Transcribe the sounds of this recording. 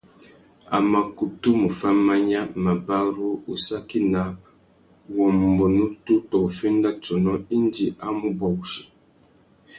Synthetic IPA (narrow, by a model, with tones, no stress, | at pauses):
a̰˨ma˨ku˨tu˦mu˨fa˦ma˦ɲa˦ma˨ba˦ɾu˦u˨sa˦ki˦na˨ | wɔ˨m˨bɔ˨nu˦tu˦tɔ˨fe˦n˦da˦t͡ʃɔ˨nɔ˦i˦n˦di˨ʔa˦mu˦bɔ˨˦ʃi̥˨